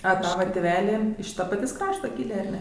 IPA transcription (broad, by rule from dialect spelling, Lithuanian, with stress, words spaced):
ɐ ˈtɑːʋɐ tʲeːˈʋʲæːlʲɪ ɪʃ ˈtɐ pɐˈtʲeːsʲ ˈkrɑːʃtɐ ˈkʲiːlʲeː ɐr ˈnʲɛ